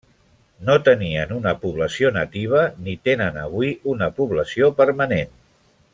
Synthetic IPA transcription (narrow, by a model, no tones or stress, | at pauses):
not̪əniənunəpuβləsionət̪iβ̞ənit̪enənəβwiunəpuβləsiopəɾmənen